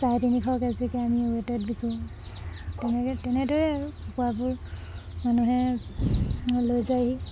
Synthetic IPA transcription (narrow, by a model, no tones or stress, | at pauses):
sajtʰinikʰɔkazikɛamiuwɛtɛt̚bikʰũ | tɛnɛtɛnɛdɔɹɛɹuɔkuabʊɹmanuɦɛ | lojzajɦi